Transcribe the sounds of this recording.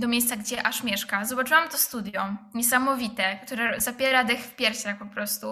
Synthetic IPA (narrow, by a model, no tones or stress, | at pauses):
d̪ɔmʲjejst̪saɡd͡ʑɛʔaʂmʲjɛʂkazɔbat͡ʂɨwamt̪ɔst̪ud̪ʲjɔɲɛsamɔvʲit̪ɛkt̪uɾɛzapʲjɛɾad̪ɛxfpʲjɛɾfɕaxpɔpɾɔst̪u